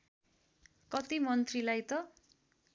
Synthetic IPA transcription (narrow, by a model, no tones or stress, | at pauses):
kʌt̪imʌnt̪rilajt̪ʌ